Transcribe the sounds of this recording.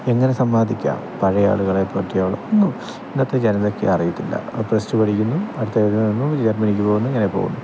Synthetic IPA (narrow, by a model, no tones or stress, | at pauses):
e̞ŋːɐne̞sɐmːaːd̪ʱikʲːa̰ːmpɐɻɐja̰ːɭuɣɐɭepːoːʈːijaːʋɭɐonːu | inɐt̪ːrɐd͡ʑenɐno̞kːeɐrɐjit̪ːilːɐ̰prestɨpɐɽʰikʲːunːuɐɽut̪ːɐɐðinɐɐnːud͡ʑɐrmɐnikʲːupoɣenːueŋːɐnepo̰ːɣṵnːu